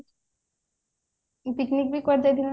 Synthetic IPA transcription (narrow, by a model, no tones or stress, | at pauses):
piknik̚bikɔɾd͡ʑad̪in